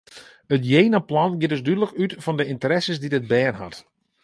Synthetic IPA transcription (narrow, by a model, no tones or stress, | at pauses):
ətjejnaplɔnɡjɪtdʏsdydələkytfɔndəɪntəɾɛsəsdidəd̚bɛːnɦɑ̰t